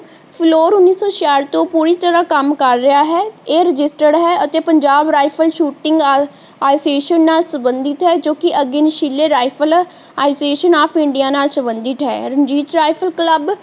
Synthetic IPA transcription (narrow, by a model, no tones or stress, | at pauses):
pʰloːɾʊnːiːsɔːt͡ʃaːɾt̪õːpuːɾiːt̪əɾãːkəmkəɾːɪaːɦɛːeːɾɪd͡ʒɪsʈəɖɦɛːət̪eːpəɲd͡ʒaːbɾaːɪpʰəlʃuːʈɪ̃ŋɡ | aːjseːʃənːaːlsəbənd̪ɪt̪ɦɛːd͡ʒoːkɪʔəɡeːnɪʃiːlːeːɾaːɪpʰəl | aːɪseːʃənaːpʰɪɳɖijaːnaːlsəbənd̪ɪt̪ɦɛ̰ːɾəɲd͡ʒiːt̪ɾaːipʰəlkləb